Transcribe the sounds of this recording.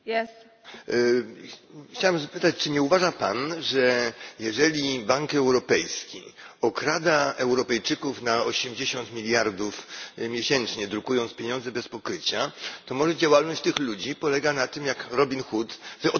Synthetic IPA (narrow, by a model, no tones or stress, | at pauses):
jɛs | xt͡ɕawamzapɘt̪at͡ɕt͡ʂɘɲɛuvaʐapanʐɛjɛʐɛlʲibaŋkɛwɾɔpɛjskʲḭɔkɾad̪aɛwɾɔpɛjt͡ʂɘkufnaɔɕɛmd͡ʑeɕɔnt̪mʲilʲjaɾd̪ufmʲjeɕɛnt͡ʂɲɛd̪ɾukujɔnt̪spʲjeɲɔ̃nzɛbɛspɔkɾɘt͡ɕat̪ɔmɔʐɛd͡ʑawalnɔɕt͡ɕt̪ɘxlud͡ʑipɔlɛɡanat̪ɘmjakɾɔbʲinxut̪vɔ